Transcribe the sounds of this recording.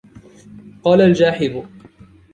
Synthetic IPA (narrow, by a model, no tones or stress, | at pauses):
qɑːlald͡ʒaːħɪðʊ